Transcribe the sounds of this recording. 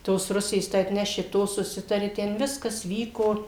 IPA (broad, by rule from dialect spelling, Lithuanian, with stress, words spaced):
ˈtoːs ˈrʊsʲeːs tɐɪ ɐtʲˈnʲæːʃʲɪ ˈtoː sʊˈsʲɪtɐrʲɪ ˈtʲɛn ˈʋʲɪskɐs ˈʋʲiːkoː